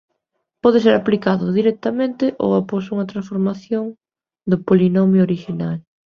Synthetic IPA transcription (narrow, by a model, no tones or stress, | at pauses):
pɔðes̬eɾaplikaðʊðiɾɛk̚t̪amẽnt̪eʔo̰waposuŋɐt̪ɾãsfoɾmaθjoŋ | d̪opolinomjoɾiʃinal